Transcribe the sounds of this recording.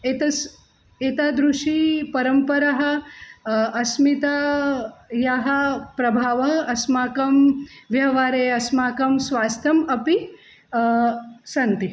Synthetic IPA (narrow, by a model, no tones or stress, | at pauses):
et̪ɐs | eːt̪aːd̪ɾuʂipɐɾɐmpɐɾɐɦɐ̆ | ɐsmit̪aː | jaɦɐ̆pɾɐbʱaːʋɐɦɐɐsmaːkɐmʋjɐɦɐʋaːɾeːɐsmaːkɐmsʋaːst̪ʰɐmɐpi | sɐnt̪i